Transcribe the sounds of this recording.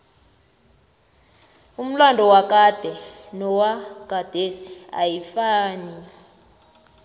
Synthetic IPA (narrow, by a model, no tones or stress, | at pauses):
um̩landʱɔwakad̥ʱɛnɔwaɡ̥ʱad̥ʱesi̥a̰jifaːni